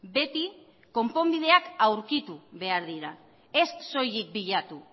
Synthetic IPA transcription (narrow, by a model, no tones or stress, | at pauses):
be̞t̪i | ko̞mpo̞mbið̞e̞akawɾkit̪uβe̞aɾðiɾa | e̞sso̞jik̚biʎat̪u